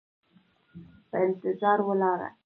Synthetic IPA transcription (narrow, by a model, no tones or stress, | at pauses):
pəɪnt̪ɪzɑɾwəlɑɾa̰